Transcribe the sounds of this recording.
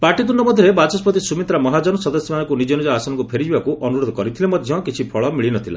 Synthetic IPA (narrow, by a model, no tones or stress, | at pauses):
paʈit̪unɔmɔd̪ʱjɾebat͡ʃɔspɔt̪isumit̪ɾamɔɦad͡ʒɔnɔsɔd̪ɔsjɔmanɔkunid͡ʒenud͡ʒaasɔnɔŋkupʰeɾid͡ʒibakuʔɔnuɾod̪ʱɔkɔɾit̪ʰilemɔd̪ʱjɔ̃kit͡ʃʰipʰɔɭɔmiɭinɔt̪ʰila̰